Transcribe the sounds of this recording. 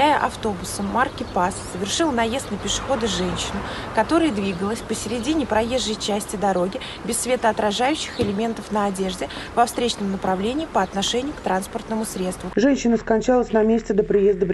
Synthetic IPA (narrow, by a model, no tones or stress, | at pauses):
ajəʔɐft̪o̞bʊsəmːarkʲɪpassəvʲɪrʂɨlˠnɐje̞st̪̚nəpʲɪʂɨ̥xo̞d̪ɨʐɛnʲɕːɪnʊ | kɐt̪o̞ɾəjəd̪vʲiɡəlˠəsʲpəsʲɪɾʲɪdʲinʲɪpɾʔɐje̞ʐːəjt͡ɕæsʲtʲɪd̪ɐɾo̞ɡʲɪ | bʲɪsːvʲe̞t̪əɐt̪ɾɐʐajʉɕːɪxɪlʲɪmʲe̞nt̪əfnəɐdʲe̞ʐdʲɪvɐfst̪ɾʲet͡ɕnəmnəpɾɐvlʲenʲɪːpəɐt̪nɐʂɛnʲɪjʊkt̪ɾanspərt̪nəmʊsɾʲet̪st̪vʊʐɛnʲɕːɪnəskɐnʲt͡ɕalˠəsʲnɐmʲesʲtʲɪd̪əpɾʲɪjezd̪əvʲ